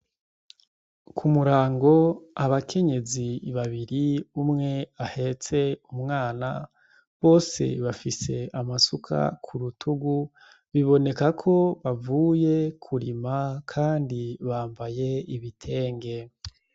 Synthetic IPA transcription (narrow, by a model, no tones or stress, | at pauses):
kʰumuɾaːŋɡo̞aβakʰe̞ɲe̞ziβaβiɾiumŋe̞ahe̞t͡se̞umŋaːna | βo̞ːse̞̰βafise̞amasukʰa̰kʰuɾutʰuɡu | βiβo̞ne̞kakʰo̞βavuːje̞kʰuɾimakʰaːndiβaːmbaje̞iβitʰe̞ːŋɡe̞